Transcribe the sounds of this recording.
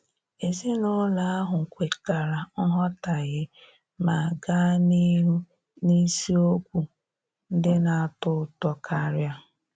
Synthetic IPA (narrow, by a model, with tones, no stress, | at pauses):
e˨zi˦no˦la˨a˦ɦʊ˨kʷe˨ka˨ɾa˨ŋ̩˦ɦɔ˦ta˨ɣɪ˦ | ma˨ɡa˦ni˦ɾu˦ | ni˦si˦o˦kʷu˨ | n̩˦dɪ˦na˨a˦˨tʊ˦tɔ˦kʰa˦ɾja˦